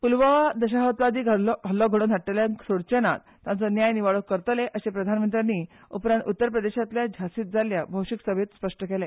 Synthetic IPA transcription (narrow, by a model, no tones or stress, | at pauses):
pulʋad̪əɕaɦət̪ʋad̪iːɡʱəlɦəlːɔɡʱəɽ̃ot̪ʰaʈːeljaŋksoɽt͡ɕena̰t̪ːãnt͡sənjajniʋaɭəkːəɾt̪leʔəsepɾəd̪ʱanmənt̪ɾjaniː | upɾãnt̪ut̪ːəɾpɾəd̪eɕat̪ljad͡ʑʱasiːt̪̚d͡zaljabʱəwɕiksəbʱet̪spəʂʈəkele